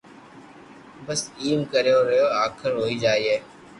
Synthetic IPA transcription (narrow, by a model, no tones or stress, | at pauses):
bəsiːmkəɾejoːɾəjoːaːkʰəɾɦoːiːd͡ʒaːiːɦeː